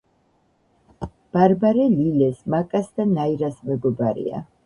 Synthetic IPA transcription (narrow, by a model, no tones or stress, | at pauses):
b̥aɾbaɾɛlilɛsmakʼasd̪anaiɾasmɛɡɔbaɾḭa̰